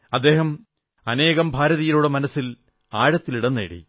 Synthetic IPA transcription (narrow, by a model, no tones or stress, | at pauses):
ɐd̪ːe̞ːɦɐm | ɐne̞ːɣɐmbʱaːɾɐðijiluɽemɐnɐsːil | aːɻɐt̪ːiliɽɐnːḛːɽḭ